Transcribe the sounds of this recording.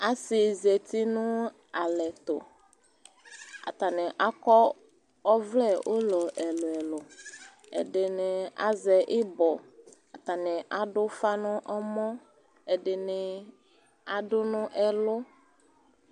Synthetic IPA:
a˦sɪ˨ze˨t̪i˦nʊ̃˦ | a˨lɛ˨t̪o̰˨ | a̰˨t̪a˨nɪ̃˨ʔa˦kɔ˦ | ɔ˦vlɛ˦ʔo˦lɔ˨ʔɛ˨lʊ˨ɛ˨lʊ˨ | ḛ˨ɖɪ˨nɪ̃˨a̰˦zɛ˨ʔɪ˦bɔ˨ | a˨t̪a˨nɪ̃˨ʔa˨ɖʊ˦fa˦nʊ̃˦ʔɔ˦mɔ̃˦ | ɛ˨ɖɪ˨nɪ̃˨ | a˨ɖʊ˦nʊ̃˦ʔɛ˨lʊ˦

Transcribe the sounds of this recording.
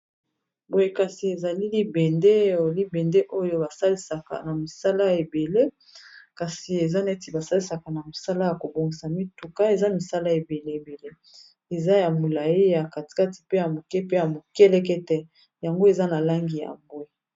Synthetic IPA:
bo˨je˦ka˨si˨e˨za˨li˦li˦bɛ˨nde˦o˨li˦bɛ˨nde˦ʔo˦jo˦ba˨sa˦li˦sa˨ka̰˨na˨mi˨sa˦la˦e˨be˨le˦ | ka˨si˨e˨za˦ne˦ti˨ba˨sa˦li˦sa˨ka˨na˨mi˨sa˦la˦ja˨ko˨bo˨ŋɡi˨sa˨mi˦tu˨ka˦e˨za˦mi˨sa˦la˦e˨be˨le˦e˨be˨le˦ | e˨za˦ja˨mo˨la˨ji˦ja˨ka˨ti̥˨ka˦ti̥˨pe˦ja˨mo˨kɛ˦pe˦ja˨mo˨kɛ˦lɛ˦k̬ɛ˦tɛ˦ | ja˨ŋɡo˦e˨za˦na˨la˦ŋɡi˨ja̰˨mbo˦e˨

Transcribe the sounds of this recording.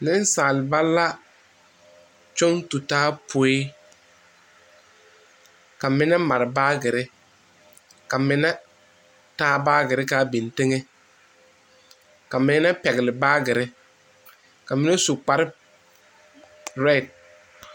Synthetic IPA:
nɪ˦n˦saː˨lɪ˨ba˦lːa˦ | t͡ʃʊ˦ŋtu˨taː˦pʰo˨˦e˦ | ka˨mɪ˦nɛ˦ma˨ɾɪ˨baː˦ɡɪ˨ɾɪ˦ | ka˨mɪ˨˦nɛ˦ | taː˦baː˦ɡɪ˨ɾɪ˦kaː˦bi˨nte˦ŋe˦ | ka˨mɪ˨˦nɛ˦pɛ˨ɣɪ˨lɪ˨baː˦ɡɪ˨ɾɪ˦ | ka˨mɪ˦nɛ˦su˨k͡pa˨ɾɪ˦ | ɾɛ˦˨d̚

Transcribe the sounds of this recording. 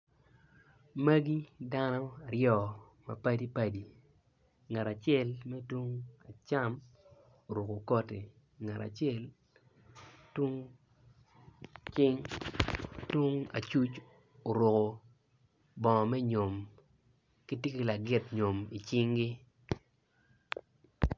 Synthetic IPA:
ma˦ɡi˦da˦nɔ˦a˨ɾjɔ˦˨ | ma̰˨pa˦di˦pa˨di˨ | ŋa˨ɾa˨t͡ʃjɛ˦lmɛ˦two˦ŋa˨t͡ʃa˦m | o˨ɾo˨ko˨kɔ˦te˨ | ŋa˨ɾa̰˨t͡ʃjɛ˦˨l | two˦ŋ | t͡ʃɪ˦ŋ | two˦ŋa̰˨t͡ʃu˦t͡ʃ | o˨ɾʊ˨ko˨ | bɔ˨mɛ˦ɲo˨m | ki˦tjie˦ki˨la˨ɡɪ˦tɲo˨mi˨t͡ʃɪ˦ŋɡi˦

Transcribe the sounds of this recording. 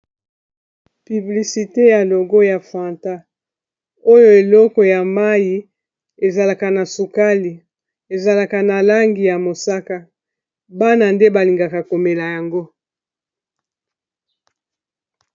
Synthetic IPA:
py˨bli˨si˨te˦ja˨lo˨ɡo˦ja˨fa˨nta˦ | o˦jo˦e˨lɔ˦kɔ˨ja˨ma˦ji˨ | e˨za˨la˨ka˨na˨su˨ka˦li˨ | e˨za˨la˨ka˨na˨la˦ŋɡi˨ja˨mo˨sa˦ka˨ | ba˦na˨nde˦ba˨li˨ŋɡa˨ka˨ko˨me˨la˨ja˨ŋɡo˦

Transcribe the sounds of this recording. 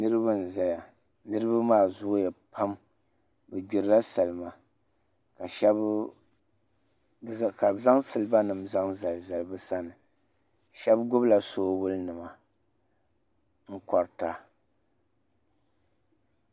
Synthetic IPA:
nɨ˦ɾɨ˦ba˦n̩˨za˦ja˨ | nɨ˦ɾɨ˦ba˦maː˦˨zʊ˦jɛ˨pʰa˦m | bɛ˨ɟʊ˨ɾla˦sa˨lma˨ | ka˨ʃɛ˦b | ka˨za˦ŋsɨ˨lɨ˨ba˦nɨ˨mza˦ŋza˨lza˨lbɨ˦sa˦nɨ˨ | ʃɛ˦bɡʊ˦bla˨soː˦bʊ˦lnɨ˨ma˨ | ŋ̩˦kɔ˨ɾta˦

